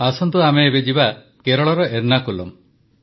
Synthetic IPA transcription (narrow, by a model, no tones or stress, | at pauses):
asɔnt̪uameːbed͡ʒiba | keɾɔɭɔɾɔeɾnakulɔ̰m